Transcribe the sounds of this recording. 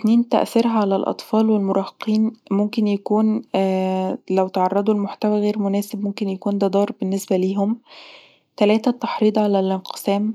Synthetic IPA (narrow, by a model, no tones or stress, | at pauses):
t̪niːnt̪æ̰ʔθɑɾɦæʕalælʔɑ̰t̪ˤfɑːlwelmoɾˤɑːheqiːnmomkenjækuːn | læwt̪ʕɑrˤːɑd̪ˤulmoħt̪æwæɣeːɾmʊnæːsebmomkenjækuːnd̪æd̪ˤɑːɾˤbenːesbæliːɦom | t̪ælæːt̪æt̪ːɑħɾiːd̪ˤʕalælʔɪnqe̥sæːm